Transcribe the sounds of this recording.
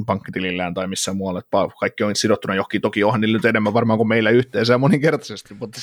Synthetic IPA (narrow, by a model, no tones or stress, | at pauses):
pɑŋkːit̪ililːæːnt̪ɑimisːæmuɑlːɑet̪pɑkɑikːioŋit̪sidot̪ːunɑjohkiːt̪okiːohɑniːlnyt̪enemːæʋʋɑrmɑːŋkumeilːæyht̪eːsæːmoniŋkert̪ɑsest̪iʋmut̪ː